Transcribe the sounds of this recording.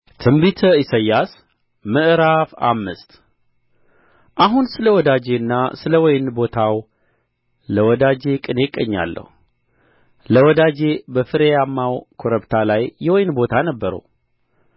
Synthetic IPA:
t̪ʰɨmbit̪ʰəisajːas | mɨʔɨɾafa̰mːɨst̪ | ʔaɦunsɨləwɔd̪ad͡ʒe̞ɨnːasɨləwɔjnbo̞t̪ʰaw | ləwɔd̪ad͡ʒe̞kʼɨne̞kʼəɲːa̰lːə̰hu | ləwɔd̪ad͡ʒe̞bəfɨɾejamːawkʰoɾəbt̪ʰalajːɛwɔjnbo̞t̪ʰanəbːəɾə̰w

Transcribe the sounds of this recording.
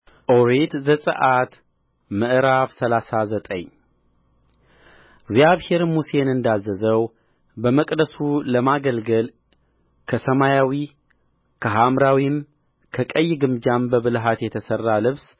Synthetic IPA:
ʔoɾet̪zəsʼɨ̰ʔat̪ | mɨʔɨɾafsəlasazət̪ʼə̰ɲ | ɡzjaβhe̞ɾmuse̞nɨnd̪azəzəw | bəməkʼd̪əsuləmaɡəlɡəl | kʰəsəmajawi | kʰəɦamɾawim | kʰəkʼəjːɪɡɨmd͡ʒambəβɨlɦat̪jɛt̪ʰəsərːalɨβs

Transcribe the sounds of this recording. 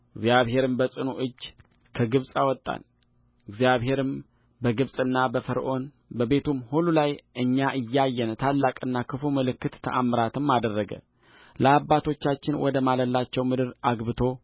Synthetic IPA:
ɨɡzjaβɦe̞ɾɨmbəsʼɨnuʔɨd͡ʒː | kʰəɡɨβsʼawɔt̪ʼːa̰n | ɨɡzijaβɦe̞ɾɨm | bəɡɨβsʼɨnːabəfəɾʔo̞n | bəβe̞t̪ʰumhululajʔɨɲːaʔɨjːajːɛnt̪ʰalːakʼɨnːakʰɨfuməlɨkːɨt̪ːʰə̰ʔamɾat̪ʰɨmːad̪ərːəɡə̰ | ləabːat̪ʰo̞t͡ʃːat͡ʃːɪnwɔd̪əmaləlːat͡ʃːɛwmɨd̪ɨɾaɡbɨt̪ʰo̞

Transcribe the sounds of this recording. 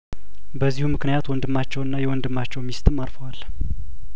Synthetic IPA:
bəzːihumɨknɨjat̪wɔnd̪ɨmːat͡ʃːɛwɨnːajɛwɔnd̪ɨmːat͡ʃːɛwmist̪ʰɨmːaɾfəwal

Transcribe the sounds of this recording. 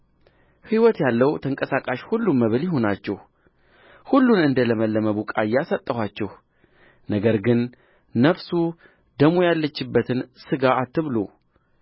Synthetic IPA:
hiwɔt̪jalːəwt̪ʰəŋkʼəsakʼaʃhulːumːəβɨljɪɦo̞nat͡ʃːɛh | hulːunɨnd̪ələməlːəməβukʼajːasət̪ʼːəhʷat͡ʃːɛh | nəɡəɾɡɨnː | əfsu | d̪əmojalːət͡ʃːɪbːət̪ʰɨnsɨɡaːt̪ːɨβlo̰

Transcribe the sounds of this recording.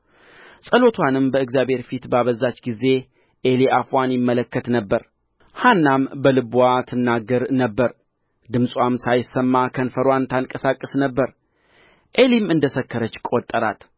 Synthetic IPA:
sʼəlo̞t̪ʰwanɨmbəɨɡzjabhe̞ɾfit̪baβəzat͡ʃːɡize̞ | ʔe̞liʔafwanjɪmːələkːət̪nəbːəɾ | hanːambəlɨbwat̪ʰɨnːaɡːəɾnəbːəɾ | d̪ɨmsʼwʷamsajɪsːəmːakʰənfəɾwant̪ʰankʼəsakʼːəsnəbːəɾ | ʔe̞limɨnd̪əsəkːəɾət͡ʃːkʼot̪ʼːəɾa̰t̪

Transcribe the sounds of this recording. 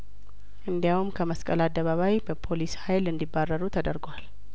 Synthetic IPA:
ʔɨnd̪ijawumkʰəməskʼə̰lad̪ːəβaβajbəpʰo̞lishajlɨnd̪ibːarːəɾut̪ʰəd̪əɾɡwal

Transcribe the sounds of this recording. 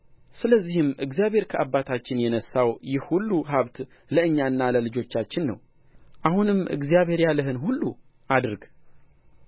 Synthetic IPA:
sɨləzːihɨmɨɡzijaβhe̞ɾkʰəʔabːat̪ʰat͡ʃːɪnjɛnəsːawjɪhhulːuɦaβt̪ | ləɨɲːanːaləlɨd͡ʒo̞t͡ʃːat͡ʃːɪnːə̰w | ʔahunɨmɨ̰ɡzijaβhe̞ɾjalɨɦɨnɦulːu | ʔad̪ɾɡ

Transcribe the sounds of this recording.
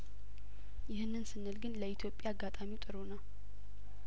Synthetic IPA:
jɪhɨnːɨnsɨnːɨlɡɨnləit̪ʰjo̞pʼjaːɡːat̪ʼamit̪ʼɨɾonaw

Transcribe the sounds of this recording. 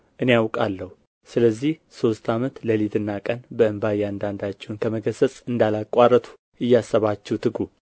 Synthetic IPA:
ʔɨnejawkʼalːəhu | sɨləzːihso̞st̪ʰamət̪ləlit̪ʰɨnːakʼənbəɨmbajand̪and̪at͡ʃːɛwnkʰəməɡʰəsət͡sʼɨnd̪alakʼarət̪ʰu̥ | ɨjːasːəβat͡ʃːɛwt̪ʰɨɡu

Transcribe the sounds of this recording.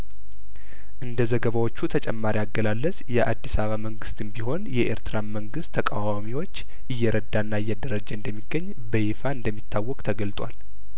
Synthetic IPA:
ʔɨnd̪əzəɡəβawo̞t͡ʃːut̪ʰət͡ʃʼɛmːaɾijaɡːəlalːəsjɛʔad̪ːisaβaməŋɡɨst̪ɨmbiɦo̞njɛʔḛɾt̪ɨɾaməŋɡɨst̪ʰːəkʼawamiwo̞t͡ʃː | ʔɨjːɛɾəd̪ːanːaɨjːɛd̪əɾəd͡ʒəɨnd̪əmːiɡəɲː | bəjfaɨnd̪əmːit̪ʰːawːɔkʼt̪ʰəɡəlt̪ʼwa̰l

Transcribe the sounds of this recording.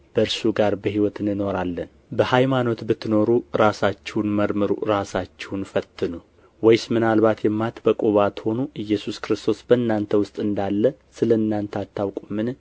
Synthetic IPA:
b̥əɨɾsuɡaɾbəɦiwɔt̪ʰɨnːɨno̞ɾalːən | bəhajmano̞t̪bɨt̪ʰːɨno̞ɾuɾasat͡ʃːɛwnməɾmɨɾṵɾasat͡ʃːɛwnfət̪ʰːɨnu | wɔjsmɨnalbat̪jɛmːat̪bəkʼuβat̪ho̞nuʔɨjːɛsuskɾɨst̪ʰo̞sbəɨnːant̪ʰəwʊst̪ʼɨnd̪alːəsɨləɨnːant̪ʰəat̪ʰːawkʼumːɨn

